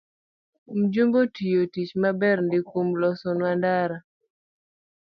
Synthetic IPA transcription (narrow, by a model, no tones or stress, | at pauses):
m̩d͡ʒumbotʰijotit͡ʃmabɛɾndɪkomlɔsɔnwandaɾa